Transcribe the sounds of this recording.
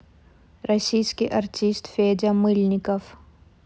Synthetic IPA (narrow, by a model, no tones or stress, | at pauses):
ɾɐʃiːskeʔɐɾt̪ist̪feːd͡ʒamulnikɐf